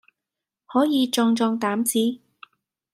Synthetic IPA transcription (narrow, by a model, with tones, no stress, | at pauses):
hɔː˨˥jiː˨˧t͡ʃɔː˧ŋt͡ʃɔː˧ŋt̪aː˨˥mt͡siː˨˥